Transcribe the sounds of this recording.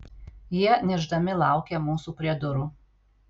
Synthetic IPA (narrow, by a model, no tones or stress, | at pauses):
jiɛnʲɛʒd̪ɐmʲɪlˠɑˑʊkʲɛmuːsuːpʲɾʲiɛd̪ʊɾuː